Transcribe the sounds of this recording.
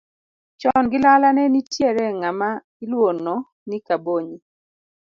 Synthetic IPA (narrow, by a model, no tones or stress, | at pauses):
t͡ʃɔnɡɪlalanɛnitjeɾɛŋama | ilwonːɔ | nikaboɲi